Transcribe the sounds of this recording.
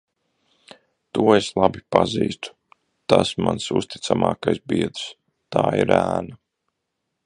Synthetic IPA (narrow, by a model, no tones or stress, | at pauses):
t̪uɔeslˠabipaziːst̪u̥ | t̪asmansṵst̪i̥t̪samɑːkajsbiɛd̪s | t̪aːḭɾæːna